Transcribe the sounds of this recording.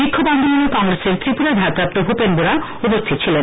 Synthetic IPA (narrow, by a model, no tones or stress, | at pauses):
bikʰːoband̪ʱoonokɔŋɾeseɾt̪ɾipuɾad̪ʱapɾap̚t̪obʱupenboɾa | opost̪ʰit̪t͡ɕʰilen